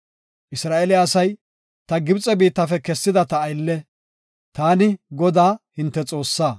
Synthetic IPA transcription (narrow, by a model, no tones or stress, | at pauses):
ʔɪsɾaːʔɛlɪːsɐj | t̪ɐɡɪbt͡sʼɛbiːt̪ːɐfɛkɛsːɪd̪ɐt̪ɐːjlːɛ | t̪aːnɪɡɔd̪aːhɪnt̪ːɛt͡sʼo̞ːsːaː